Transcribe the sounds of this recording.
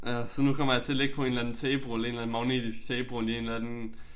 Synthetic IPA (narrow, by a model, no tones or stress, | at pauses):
jæsɒ̽nukʰɒ̽m̰ɐjɑ̈t͡sʰe̝ɐle̝ɡ̥̚pʰɒe̝nlænn̩t͡sʰɛːb̥ʁole̝ːnlæn̩mɑ̈ʊnḭd̥isɡ̥t͡sʰɛːb̥ʁolie̝ːnlænn